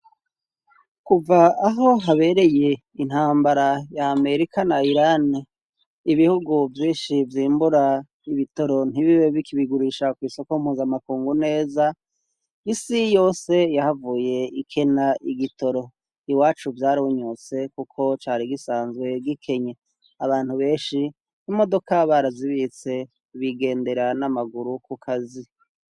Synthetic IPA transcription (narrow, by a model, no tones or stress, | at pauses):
kuvaːɦo̞ɦaβe̞ɾe̞je̞ | in̥haːmbaɾajaːme̞ɾikanaiɾani | iβihuɡuvjiːʃivjiːmbuɾa | iβito̞ɾo̞n̥iβiweβikiβiɡuɾiʃakwiːso̞koumhuːzamakuːŋɡune̞ːza | isijo̞ːse̞jahavuːje̞ikʰe̞naʔiɡito̞ɾo̞ | iwaːt͡ʃuvjaːɾiuɲot͡se̞kukʰo̞t͡ʃaːɾiɡisaːnzwe̞ɡikʰe̞ɲe | aβaːn̥huβe̞ːnʃi | nimo̞do̞kaβaɾaziβit͡se̞ | βiɡe̞ːnde̞ɾanamaɡuɾukukʰazi